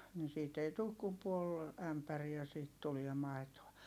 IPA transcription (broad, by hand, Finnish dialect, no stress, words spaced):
ni siːt ei tuːk kum puol æmpæriæ siːt tuliɛ mɑi̯toɑ